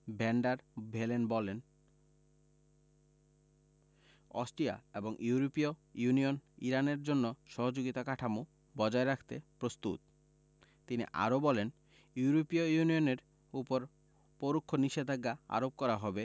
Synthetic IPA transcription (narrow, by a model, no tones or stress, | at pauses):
bɛɳɖaɾbʱelenbɔlen | ɔ̰sʈɾia̰eboŋʔuɾopiojunioniɾaneɾd͡ʑonːoʃɔɦod͡ʑoɡit̪akaʈʰamu | bɔd͡ʑaeɾakʰt̪epɾost̪ṵt̪̚ | t̪inḭʔa̰ɾobɔlen | juɾopiojunioneɾ | upoɾ | poɾukʰːoniʃed̪ʱaɡːaa̰ɾob̚kɔɾaɦɔbe